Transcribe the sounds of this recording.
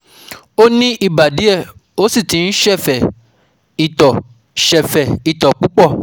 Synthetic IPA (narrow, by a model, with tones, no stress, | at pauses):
o˦nĩ˦ʔi˧ba˨di˨˦ɛ˦˨o˦si˦˨tĩ˨˦n̩˦ʃɛ˦˨fɛ˨ | i˨tɔ˨ | ʃɛ˨fɛ˨i˨tɔ˨k͡pu˨˦k͡pɔ˦˨